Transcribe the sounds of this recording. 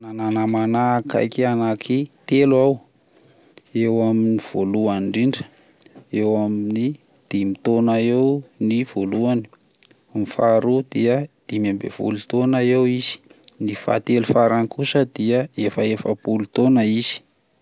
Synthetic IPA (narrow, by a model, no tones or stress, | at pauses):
nananamanaka̰jkianakʰit̪eluaw | ewaminiv̥oluaɳɖ͡ʐiɳɖ͡ʐə̥ | ewamiini | d̪̥imit̪onaewniv̥oluan̥ | mifaɾud̪iəd̪̥imambḛv̥ṵlut̪onaewiz̥i̥nifa̰t̪elufaɾanikusəd̪iəefəefəpulut̪onəiz̥i̥